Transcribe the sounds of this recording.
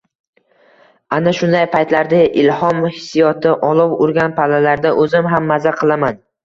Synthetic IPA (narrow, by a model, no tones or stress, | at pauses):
anaʃʊnd̪ajpʰajt̪laɾd̪aʔɪlhɒmhɪsijɒt̪ʰɪʔɒlˠɒwʊɾɡʲanpʰalalaɾd̪aʔɵzɪmɦamːazaqʰɨlˠaman